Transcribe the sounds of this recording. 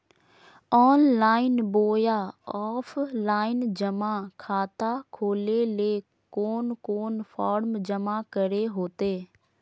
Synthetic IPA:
ɔːnlaːɪnboːjaːɔːfʰlaːɪnd͡ʒəmaːkʰaːt̪akʰoːleleː | koːnkoːnpʰɔːɾmd͡ʒəmakəɾeɦoːt̪eː

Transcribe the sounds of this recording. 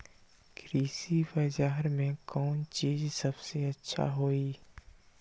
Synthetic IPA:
kɾiːsibəd͡ʒaːɦɾmẽkɔːnt͡ʃiːzsɐbseɐtːʃʰa̰ɦoːiː

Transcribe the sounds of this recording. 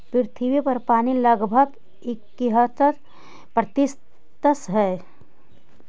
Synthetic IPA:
pɪɾt̪ʰiwipɐɾpaːniləɡbʱəɡ | ɪkːiɦət̪ət | pɾət̪ɪs | t̪əsɦɛː

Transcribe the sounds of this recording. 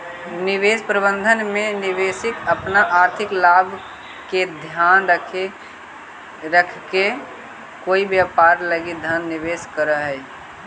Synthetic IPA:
nɪʋeːspɾəbə̃nd̪ʱənmẽnɪʋeːsɪkəpnaʔaːɾt̪ʰɪklaːbʱ | ked̪ʱjaːnɾəkʰe | ɾəkʰke | koːibjapaːɾləɡid̪ʱjaːnːɪʋeːskəɾəɦɛ

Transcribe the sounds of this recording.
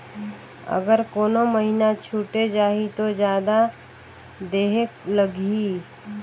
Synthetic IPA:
ə̰ɡəɾkoːnoməɦinat͡ʃʰuːʈed͡ʒaːɦit̪od͡ʒjaːd̪a | d̪eːɦekləɡi

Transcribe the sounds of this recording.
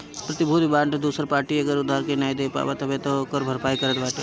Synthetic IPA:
pɾɐt̪ɪbʱud̪bãːɳʈd̪uːsəɾpaːɾʈiɐɡəɾʊd̪ʱːaːɾkenaːjd̪eːpa̰ːʋat̪ɐbet̪okəɾbʱəɾpaːjkɐɾət̪baːʈe

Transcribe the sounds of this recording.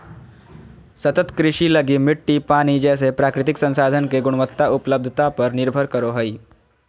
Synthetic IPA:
sət̪ət̪kɾiʂiːləɡiːmiʈːiːpaɽ̃iːd͡ʑɛs̬epɾakɾit̪iksə̃nsad̪ʱənkeɡuɽ̃ʋət̪ːaʔupləb̚d̪ʱət̪apəɾniɾbʱəɾkəɾoɦəiː

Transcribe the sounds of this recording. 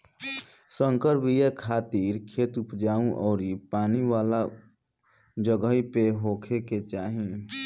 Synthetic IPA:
sə̃ŋkəɾbʱijekʰaːt̪iɾkʰeːt̪ʊpd͡ʒaːũʔɔːɾipaːniʋaːla | d͡ʒəɡəɦipeɦoːkʰeket͡ʃaːɦĩ

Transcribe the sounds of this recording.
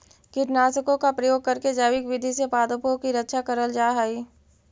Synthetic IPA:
kɪɾnaːsəkõkapɾɐjoːɡ̚kɐɾked͡ʒaːʋɪkʋɪd̪ʱisepaːd̪opõkiɾətːʃʰakəɾəld͡ʒaːɦaːiː

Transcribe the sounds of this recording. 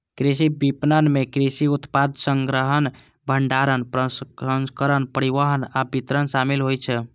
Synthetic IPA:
kɾis̬ibipnənmekɾisiut̪pad̪ʱsəŋɡɾəɦən | bʱəɳɖaɾənpɾəə̃nskəɾənpəɾiʋəɦənabit̪ɾənsamilɦojt͡ʃʰɛ

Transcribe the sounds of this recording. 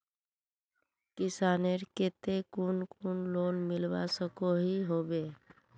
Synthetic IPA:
kɪsaːneɾket̪ekunkʊnloːnmɪlʋa̰səkoɦiɦoːbeː

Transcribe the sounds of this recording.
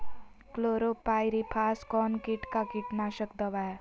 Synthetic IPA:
kloɾopajɾipʰaːskɔnkiʈkakiʈnaʃəkd̪əʋa

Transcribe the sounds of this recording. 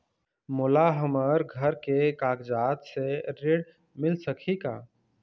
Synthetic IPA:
mʊlaɦəməɾɡʱəɾkekaːɡd͡ʒaːt̪seɾeːɖ | mɪlsəkʰikaː

